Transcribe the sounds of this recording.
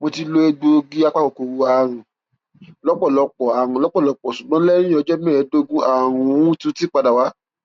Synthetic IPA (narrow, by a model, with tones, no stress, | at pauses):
mo˧ti˧lo˧e˧ɡ͡bo˧ɡi˦a˧k͡pa˦kɔ˨ko˨wu˧a˨ɾ̃ũ˨ | lɔ˨˦k͡pɔ˦˨lɔ˨˧k͡pɔ˨a˨ɾ̃ũ˨lɔ˦k͡pɔ˦˨lɔ˨˧˦k͡pɔ˨su˨ɡ͡bɔ̃˦lɛ˦ɾ̃ĩ˦ɔ˧˦d͡ʒɛ˦mɛ̃˦˨˦do˧˦˧ɡũ˦a˦˨ɾ̃ũ˧˦ũ˦tũ˧˦ti˦k͡pa˧da˨wa˨˦